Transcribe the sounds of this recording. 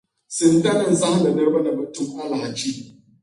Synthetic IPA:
sɪ˨ntɐ˦nɪ˨nza˦hnɐ˨nɐ˦bɐ˦na˨mɐ˨tʊ˦mʔa˦la˨t͡ʃi˦

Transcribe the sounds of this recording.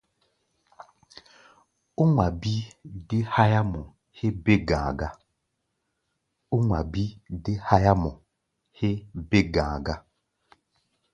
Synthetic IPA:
o˦ŋʷa˨bi˦de˦ha˦ja˦mɔ˨ | he˦be˦ɡãː˨ɡa˦ | o˦ŋwa˨bi˦de˦ha˦ja˦mɔ˨ | he˦be˦ɡãː˨ɡa˦

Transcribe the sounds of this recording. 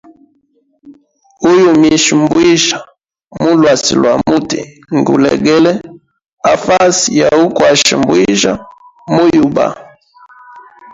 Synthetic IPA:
u˦ju˨mi˨ʃi˨mbwi˦ʒa˨ | mu˦lwa˨sḭ˨lwa˨mu˦ti˨ | ŋɡṵ˨lɛ̰˨ɡɛ˦lɛ˦ | a˨fa˦si˨ja˨u˦ku˨a˨ʃḭ˨mbu˦i˦ʒa˦mu˦ju˨ba̰˨

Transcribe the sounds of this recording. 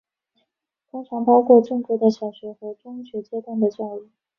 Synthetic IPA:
t̪ʰʊ˥ŋʈ͡ʂʰɑ˧˥ŋpɑ˥ʊkʰwɔ˥˧ʈ͡ʂɤ˥˩ŋkɤ˧˥d̪ə˨ɕjɑ˨˩ʊɕɥɛ˧˥xɤ˧˥ʈ͡ʂʊ˥ŋ˩ɕɥɛ˧˥t͡ɕjɛ˥t̪wa˥˩nd̪ə˩t͡ɕa˥˧ʊy˥˩

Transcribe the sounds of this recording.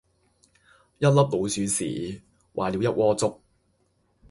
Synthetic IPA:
jɐ˥t̚lɐ˥p̚lo˨˧wsyː˨˧sḭː˨˩ | wʔa̰ː˨li˨˧wjɐ˦˥t̚wɔː˥t͡sʊ˥k̚

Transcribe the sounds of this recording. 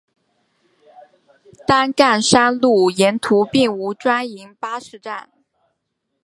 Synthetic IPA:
t̪a˥nka˥˩nʂa˥nlu˥˩jɛ˧˥nt̪ʰu˧˥pi˥˩ŋu˧˥ʈ͡ʂwa˥ni˧˥ŋpa˥ʂɻ̩˧˥ʈ͡ʂa˥˩n

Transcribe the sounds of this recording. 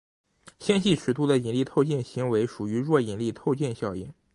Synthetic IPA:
ɕjɑ˥nɕi˥˩ʈ͡ʂʰɻ̩˨˩t̪ʰu˥d̪ə˨i˨˩nli˥˧t̪ʰo˥˧ʊt͡ɕjɛ˥˩nɕi˧˥ŋwe˧˥ɪʂu˨˩y˧˥ɻwɔ˥˩i˨˩nli˥˧t̪ʰo˥˧ʊt͡ɕjɛ˥˧nɕjɑ˥˧ʊjɛ˥˩n

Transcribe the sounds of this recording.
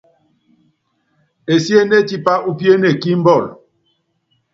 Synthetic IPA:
e˨si˦e˦ne˦˨ti˦pa˦ʔu˦pje˦ne˨ki˦m̩˦bɔ˦˨l

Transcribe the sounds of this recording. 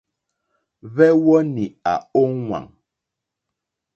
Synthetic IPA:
βɛ˦wɔ˦ni˨a̰˨o˦ŋŋwa̰˨ŋ

